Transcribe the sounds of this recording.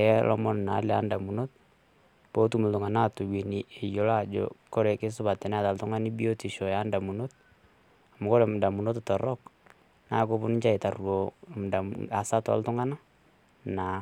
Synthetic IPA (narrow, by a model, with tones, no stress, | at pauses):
ɛlɔ̰˦mɔ˦n˨na˨˦lɛa˦nda˨mu˨no˦t̚ | po˦tu˦mu˨ldʊ˨ŋa˨na˦tu˨wi˨ni˨e˨jo˨la˦d͡ʒɔ̰kɔ˦ɾɛ˨ke˦sʊ˦ba˨tːɛ˨nɛ˦a˨ta˨ltʊ˦ŋa˦ni˦bi˦o˦ti˨ʃɔ˨ja˦nda˨mu˨not̚ | amu˨kɔ˦ɾɛ˨mʊ˨da˨mu˨no˦tɔtɔ˨ɾɔk | na˨˦ko˦bʊ˦nɪ˦ɲt͡ʃa˦e˨ta˨rwo˨m˨dama˨sa˦tɔa̰ltʊ˦ŋa˦na˦ | na˨